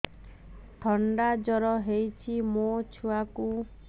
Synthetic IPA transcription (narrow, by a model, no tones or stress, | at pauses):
ʈʰɔɳɖad͡ʒɔɾɔɦejt͡ʃʰimot͡ʃʰuaku